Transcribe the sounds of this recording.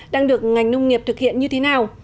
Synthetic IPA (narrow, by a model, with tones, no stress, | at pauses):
ɗaː˧ŋɗɨ˨˩ək̚ŋa˨˩jŋ̟nə˧wŋ͡mŋi˨˩əp̚t̪ʰɨ˨˩k̚hḭ˧˨ənɲɨ˧t̪ʰe˨˦naː˨˩w